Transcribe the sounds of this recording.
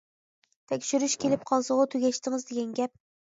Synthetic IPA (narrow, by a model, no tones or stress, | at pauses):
t̪ʰekʲʃɪɾɪʃkʲe̞lɪp̚qʰɒlˠsɨʁɨt̪ʰʊɡʲaʃt̪ɪŋɨzd̪eɡʲanɡʲap̚